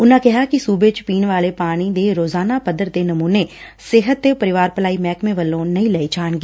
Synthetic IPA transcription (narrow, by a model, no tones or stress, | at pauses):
ʊnãːkɪɦaːkɪsuːbeːt͡ʃpiːnʋaːleːpaːɽ̃iːd̪eːɾoːzaːnaːpəd̪əɾd̪eːnəmuːneː | sɪɦət̪̚ːeːpəɾɪʋaːɾpəlaːiːmɛːkmẽːʋəlːõːnəĩːlɛeːt͡ʃaːɳ̃ɡeː